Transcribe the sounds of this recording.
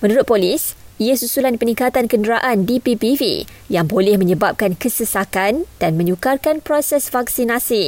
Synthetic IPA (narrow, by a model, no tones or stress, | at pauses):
mənuɾʊt̪̚polisiasusulanpənĩŋkat̪ankəndəɾaʔandipipifḭ | jaŋbolɛhmə̃ɲəbap̚kankəsəsakand̥anmə̃ɲukarkanpɾɔsɛsfak̚sinasi